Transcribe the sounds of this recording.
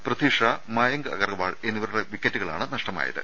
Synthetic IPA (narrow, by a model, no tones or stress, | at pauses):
prɐt̪iːʂaːmaːjɐŋɡɨɐ̰ɣɐrɡɐʋaːɭe̞nːiʋɐɾuɽeʋikːɐtːuɣɐɭa̰ːɳɨnɐʂʈɐma̰ːjɐ̰ðɨ̰